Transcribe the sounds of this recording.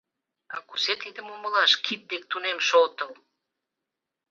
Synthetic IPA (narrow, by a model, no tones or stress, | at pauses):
ɑkuset̪id̪əmuməlɑʃkʰit̪̚d̪ek̚t̪unemʃolt̪əl